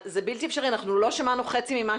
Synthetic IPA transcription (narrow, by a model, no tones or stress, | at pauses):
zebiltiɛfʃaʁianaχnulo̞ʃamanuχet͡simima